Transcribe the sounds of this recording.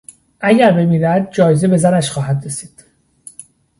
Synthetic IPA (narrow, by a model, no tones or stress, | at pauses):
ʔæɟæɾbe̞miːɾæd̪̚d͡ʒɒːjezebe̞zænæʃxɒːɦæd̪ɾe̞si̥ːd̪̥